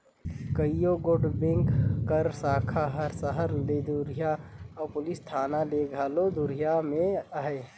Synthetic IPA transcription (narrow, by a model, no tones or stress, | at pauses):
kəijoɡoːɖbẽŋkːəɾsaːkʰaɦəɾsəɦəɾled̪uɾijaɔːpʊlist̪ʰaːnaleɡʱaːlod̪uɾijamẽəɦɛ